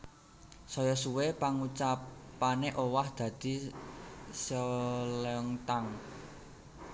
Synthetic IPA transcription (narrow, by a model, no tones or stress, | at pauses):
sɔjɔsuwepaŋut͡ʃapaneʔowahd̪̥ä̤d̪̥i̤ | səlɛŋt̪aŋ